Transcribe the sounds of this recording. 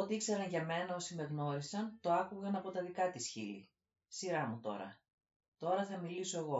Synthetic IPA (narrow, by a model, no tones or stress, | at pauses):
ot̪iikseɾɐnʝɐme̞nɐo̞sime̞ɣno̞ɾisɐnt̪o̞ɐkuɣɐnɐpo̞t̪ɐðikɐt̪isçḭlḭ | siɾɐmut̪o̞̰ɾɐ̰ | t̪o̞ɾɐθɐmiliso̞e̞ɣo̞